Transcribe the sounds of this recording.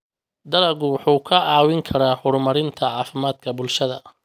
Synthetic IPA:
d̪ɐɾɐɣʊwħuːkʰɐɑːwɪŋkʰɐɾaːhʊɾmɐɾɪnt̪ʰɐʕɑːfɪmaːd̪̚kʰɐbʊlʃɐðɐ̰

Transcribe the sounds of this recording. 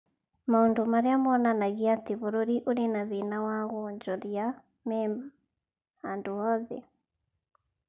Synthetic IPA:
maondomaɾeamɔnanaɣiatiβoɾoɾiʔuɾenaðinawaɣoɲd͡ʒɔɾja | mɛma | andoɔðɛ

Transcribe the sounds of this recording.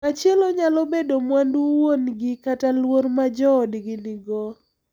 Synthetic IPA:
at͡ʃjeloɲalɔbedomwanduwonɡɪkatalwoɾmad͡ʒɔːdɡɪnɪɡɔ

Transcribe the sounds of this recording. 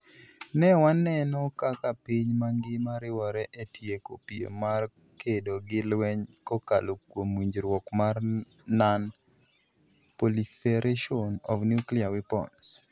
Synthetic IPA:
nɛwanːɛnɔkakapiɲmaŋɡɪmaɾɪwɔɾɛʔetʰjeko̰piḛmar | kedoɡɪlwɛɲkoka̰lokwomwiɲd͡ʒɾwɔkmar | nan | polifɛɾʔeʃɔnɔ̰fnjukliawɪpɔ̰ns

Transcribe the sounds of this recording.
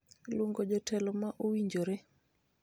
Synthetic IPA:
lwoŋɡod͡ʒɔtʰɛlɔmaʔowiɲd͡ʒoɾe

